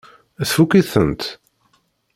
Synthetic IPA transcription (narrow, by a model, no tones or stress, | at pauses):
æθfukiθənt̪